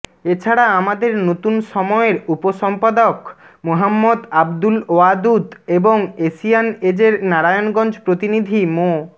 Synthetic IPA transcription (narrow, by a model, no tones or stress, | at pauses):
et͡ɕʰaɽaamad̪eɾnot̪unʃɔmɔeɾupoʃɔmpad̪ok | moɦamːod̪abd̪uload̪ud̪eboŋeʃianed͡ʑeɾnaɾajonɡɔnd͡ʑpɾot̪inid̪ʱimo